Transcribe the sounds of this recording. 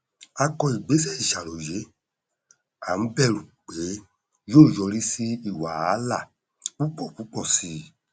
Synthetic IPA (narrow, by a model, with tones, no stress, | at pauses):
a˧kɔ˧i˨ɡ͡be˨˦sɛ˦i˨ʃa˨lo˨je˨˦ | a̰˨n̩˦bɛ˦˨ɾu˨k͡pe˨˦ | joː˦˨jɔ˧ɾi˦si˦i˦˨wa˨˦la˦˨ | u˦k͡pɔ˦˨ku˨˦k͡pɔ˦˨si˧